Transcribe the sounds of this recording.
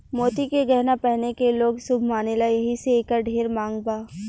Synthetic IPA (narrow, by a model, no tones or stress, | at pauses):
moːt̪ikeɡɛɦnapɛɦnekeloːɡsʊbʱmaːnelajɐɦiseeːkəɾɖʱeːɾmãːŋɡbaː